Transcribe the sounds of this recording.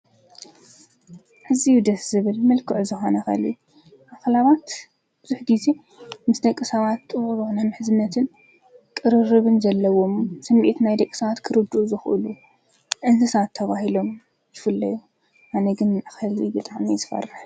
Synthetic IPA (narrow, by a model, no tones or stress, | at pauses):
ʕɨzijud̪ɐsz̥ɨβɨlmɐlkʰɨʕuzɨxo̞nɐxɐ̰liu | ʔaxlaβat̪ | bɨzuħɡ̪ize̞ | mɨsd̪ɐkʼːɨsɐβat̪ːʼɨβʼβuʔnajmɨħɨzɨnːɐt̪ʰɨn | kʼɨɾɨrɨβɨnzɐlːɐwo̞msɐmːʔit̪najd̪ɐkʼɨ̥sɐβat̪kʰɨɾɨd̪ɨʔuzɨxʔɨ̰lu | ʕɨnt̪ʰɨsɐβat̪ʰːɐβahilo̞m | jɪfɨlːɐju | ʔanɐɡɨnaxɐlibɨt̪ʼaʕmizɨfɐ̰rːɨħ